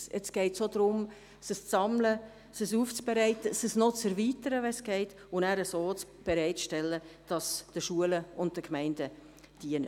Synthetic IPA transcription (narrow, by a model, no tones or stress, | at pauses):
ɛt͡sɡ̥ɛɪtsodɾʊm | səst͡sɑmlə | səsuːft͡sb̥eɾɛɪtəsəsnot͡sɛɾviːtəɾəvɛnsɡ̥ɛɪt | ʊnæːɾəsoːt͡sb̥eɾɛɪtʃtɛlːəd̥ɑsd̥əʃuələʊnd̚d̥əkmɛɪndə | d̥iənə